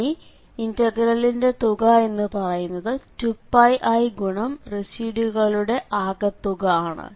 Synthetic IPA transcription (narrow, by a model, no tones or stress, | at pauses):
i | intɐɡɾɐlːinde̞t̪uɣɐe̞nːɨpɐrɐjunːɐðɨtupːɐjʔɐjɡuɳɐmrisiːɖuɣɐɭuɽe̞ʔaːɣɐt̪ːuɣɐaːɳɨ̰